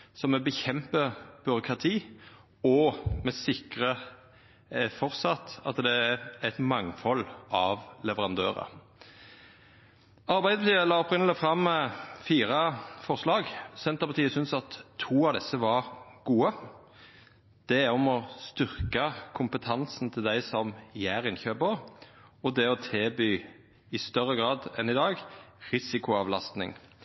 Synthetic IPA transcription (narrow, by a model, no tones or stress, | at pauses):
sɔmɛbəçɛmpəb̥ʏɾʊkʰɾɑt̪ʰiː | ɔmɛsɪkɾə | fɔʁsɑt̪ɑt̪d̪ɛææt̪mɑŋfɔlːɑʋlɛʋəɾɑnd̪øːɾə̰ | ɑɾbæɪd̪əpʰɑt̪iːəlɑːɔpʁɪnəlɪfɾɑmːfiːɾɑfɔʁslɑːɡsɛnt̪əʁpɑt̪ʰiːəsʏnsɑt̪ʰːuːɑʋd̪ɛsəʋɑɾɡ̥uːə | d̪̥ɛɔmɔst̪ʏʁkɑkʰʊmpət̪ʰɑnsn̩t̪ʰɪld̪æɪsɔmjæːɾɪnçøːbəʁ | ɔd̪ɛɔt̪ʰeːbyː | ɪst̪œʁəɡʁɑːd̪ɛ̰nɪd̪ɑːɡʁɪsɪkʊɑʋlɑst̪nɪ̰ŋ